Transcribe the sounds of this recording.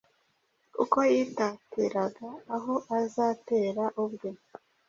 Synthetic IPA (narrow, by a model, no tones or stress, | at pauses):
ṵko̞jiːtaːtiɾaɡaːɦo̞ʔazaːte̞ːɾaʔubɡo